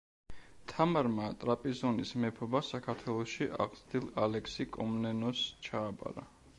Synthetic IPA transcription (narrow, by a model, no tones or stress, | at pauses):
t̪ʰamaɾmat̪ʼɾapʼizɔnismɛpʰɔbasakʰaɾt̪ʰwɛlˠɔʃiʔa̰ʁzd̪ilˠalɛksikʼɔmnɛnɔst͡ʃʰaːbʼa̰ɾa